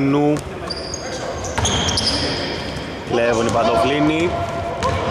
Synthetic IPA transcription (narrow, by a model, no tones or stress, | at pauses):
nu | levonipat̪oplini